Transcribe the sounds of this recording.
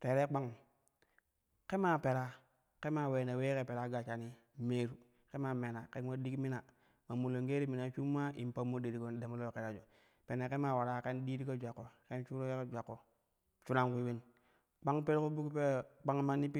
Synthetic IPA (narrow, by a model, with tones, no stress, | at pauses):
te˨ɾe˦k͡pa˦ŋ | ke˦ma˦˨pe˨ɾa˦ | ke˦ma˦˨we˨na˨we˦ke˨pe˨ɾa˦ɡa˨t͡ʃa˨ni˦ | me˦ɾu˨ | ke˦ma˨me˨na˨ke˦n˦wo˦di˦kmi˦na˨ | ma˨mu˨lo˨ŋɡe˦ɾi˦mi˨na˨˦t͡ʃu˦mːa˦i˨m˨pa˦mːo˦de˨ɾi˨ko˦de˨mo˦lo˦ke˨ɾa˨d͡ʒo˨ | pe˨ne˨ke˦ma˨wa˨ɾa˦ke˦ndi˦ɾi˦ko˦d͡ʒʷa˨kːo˨ke˦nt͡ʃu˦ɾo˦e˦ke˦d͡ʒʷa˨kːo˨ | t͡ʃu˦na˦˨ŋku˦we˦n | k͡pa˦ŋpe˦ɾko˦bu˦kpe˦˨k͡pa˦ŋ˦ma˦ni˦pi˦